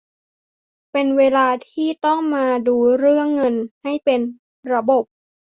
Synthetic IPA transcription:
pe˧nweː˧laː˧t̪ʰiː˥˩t̪ɔ˥˩ŋmaː˧duː˧ɾɯ˥˩əŋːɤ˧nha˥˩jpe˧n | ɾa˧bo˨˩p̚

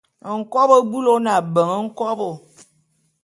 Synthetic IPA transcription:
ŋ̩˨kɔ˦bo˦bu˦lo˦na˨bə˨ŋə˦ŋ̩˦kɔ˦bo˨

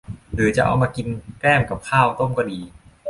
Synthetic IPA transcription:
dɯː˨˩˦t͡ɕa˨˩ʔa̰˧wmaː˧ki˧nkɾɛː˥˩mka˨˩p̚kʰaː˥˩wt̪o˥˩mkɔː˥˩diː˧

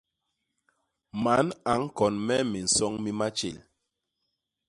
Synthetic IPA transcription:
ma˨˦na˨˦ŋ˦kɔ˨nmɛ˦mi˨n̩˨sɔ˦ŋmi˦ma˦t͡ʃḛ˨l

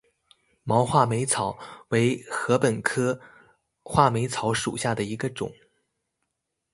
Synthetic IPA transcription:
mɑ˧˥ʊxwa˥˩me˧˥ɪt͡sʰɑ˨˩˥ʊwe˧˥ɪxɤ˧˥pə˨˩nkʰɤ˥ | xwa˥˩me˧˥ɪt͡sʰɑ˧˥ʊʂṵ˨˩ɕja˥˩d̪ə˩i˧˥ɡə˧ʈ͡ʂʊ̰˨˩˦ŋ

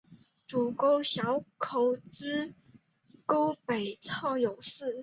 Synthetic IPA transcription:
ʈ͡ʂu˨˩ko˥ʊɕjɑ˧˥ʊkʰo˧˨˩ʊt͡sɹ̩˥ | ko˥ʊpe˨˩ɪt͡sʰɑ˥˩jo˨˩ʊʂɹ̩˥˩

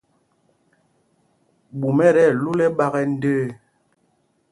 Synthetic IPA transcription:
ɓu˨mɛ˦ɾɛ˦˨lu˦lɛ˦ɓa˦ɣɛ˦n̩˦dəː˦

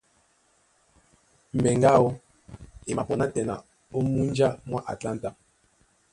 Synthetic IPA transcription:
m̩˨ɛ˨ŋɡa˦ɔ˦ | e˨ma˨pɔ˨na˦tɛ˨na̰˨ | o˦mu˦nd͡ʒa˦mwa˦ʔa̰˨tla˦nta˦

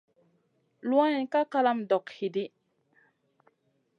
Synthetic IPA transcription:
lwã˦i˨ka˦ka˦la˦mdɔ˨khi˨di˦

